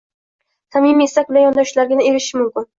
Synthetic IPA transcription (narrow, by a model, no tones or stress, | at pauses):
t̪ʰamimesak̚ʲbɪlajɒnd̪ɒʃlaɾɡʲɪnɪe̞ɾɪʃɪmʊmkʲɪn